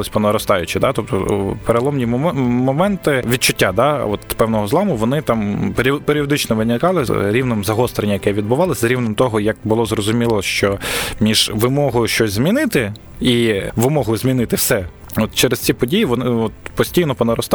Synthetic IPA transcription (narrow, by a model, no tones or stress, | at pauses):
ɪsʲpɔnɐɾɔst̪ɑjʊt͡ʃɪd̪ɑt̪ɔp̚t̪ɔpeɾelˠɔmnʲimɔmɛnt̪ɪʋʲid̪̚t͡ʃʊtʲːad̪ɑɔt̪pɛwnɔɦɔzlˠɑmʊʋɔnɪt̪ɑmpɾʲpeɾʲɪɔd̪ɪt͡ʃnɔʋɪnʲɪkɑlˠɪɾʲiwnɔmzɐɦɔst̪ɾenʲːɐjɐkɛʋʲid̪̚bʊʋɑlˠɪsʲzɾʲiʋwnɔmt̪ɔɦɔjɐk̚bʊlˠɔzrɔzʊmʲilˠɔʃt͡ʃɔmʲiʒ̥ʋɪmɔɦɔjʊʃt͡ʃɔsʲzmʲinɪt̪ɪ | iʋɪmɔɦʊjʊzmʲinɪt̪ɪwsɛ | ɔt̪t͡ʃɛɾestt͡sʲipɔdʲijiʋɔnɪɔt̪̚pɔsʲtʲijnɔpɔnɐɾɔst̪